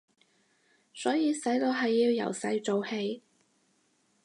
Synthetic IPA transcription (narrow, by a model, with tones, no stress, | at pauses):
sɔː˨˥jiː˧sɐ˨˥jt̪o˧wɦɐ˨jːiː˧wjɐ̰˨˩wsɐ˧jt͡so˨whe˧j